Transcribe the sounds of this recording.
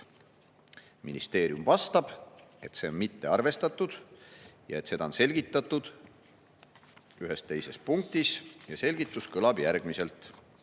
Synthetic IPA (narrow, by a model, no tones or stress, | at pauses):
minist̪e̞ːɾiumvɑst̪ɑb̥e̞t̪se̞onmit̪ːe̞ɑrve̞st̪ɑt̪ːˑud̪̥jɑe̞t̪ːse̞d̪̥ɑonse̞lɡit̪ːˑɑt̪ːˑud̪̥ | yɦe̞st̪e̞jse̞spuŋk̚t̪isjɑse̞lʲɡit̪ːˑuskɤlɑb̥jærɡ̥mise̞lt̪ˑ